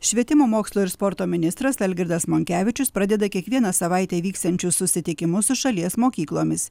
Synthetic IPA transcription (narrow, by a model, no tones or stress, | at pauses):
ʃʲʋʲiɛt̪ʲɪmoːmoːkslˠuːɪɾspɔɾt̪oːmʲɪnʲɪst̪ɾɐsɛlʲɡʲɪɾd̪ɐsmoːŋʲkʲæːʋʲɪt͡ʃʲʊspɾɐd̪ʲɛd̪ɐkʲiɛkʋʲiɛnɐsɐʋɐɪt̪ʲɛːʋʲiːkst̪ɐnʲt͡ʃʲʊssʊsʲɪt̪ʲɪkʲɪmʊsʊʃɐlʲiɛsmoːkʲiːklˠoːmʲɪs